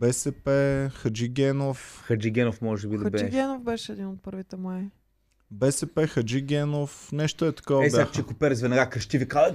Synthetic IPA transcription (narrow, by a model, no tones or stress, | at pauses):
bɛsɛpɛxɐd͡ʒiɡʲɛnofxɐd͡ʒiɡɛnofmɔʒɛbiɐbɛiɡʲɛnofbɛʃɛɛd̪inot̪̚pɤɾvit̪ɛmɛ | bɛsɛpɛxɐd͡ʒiɡʲɛnofnɛʃt̪oɛt̪ɐ̥kɔvɐɛbjaaxt͡ʃɛkʊpɛɾzvɛnɐɡakɾɐʃt̪ivikazɐ